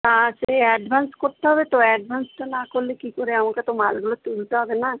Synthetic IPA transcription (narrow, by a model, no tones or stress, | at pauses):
t̪aʃeɛɖbʱanskoɾt̪eɦɔbet̪oɛɖbʱansʈanakoɾlekikoɾeamakat̪omalɡulot̪ult̪eɦɔbena